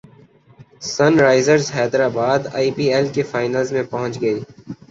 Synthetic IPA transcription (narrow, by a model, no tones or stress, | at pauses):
sɐnɾaːɪzəɾzɦɛːd̪ɾaːbaːd̪a̰ːiːpiːeːlkefaːɪnəlzmẽpɐɦʊ̃nt͡ʃɡɐiː